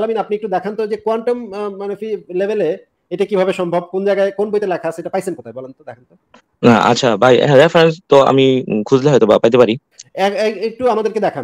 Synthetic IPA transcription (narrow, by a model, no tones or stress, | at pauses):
laminapniek̚ʈud̪ɛkʰant̪od͡ʑekoaɳʈomːanofʰilebele | eʈakibʱabeʃɔmbʱɔb̚kond͡ʑajɡaekonbojt̪elakʰaːseʈapajsenkɔt̪ʰajbɔlent̪od̪ɛkʰant̪o | na̰a̰tːʃʰabʱajɛ̰ɦɹefʰɾenst̪ɔa̰mikʰuzleɦɔjt̪ɔbapajt̪epaɾi | ɛkek̚ʈuamad̪eɾked̪ɛkʰan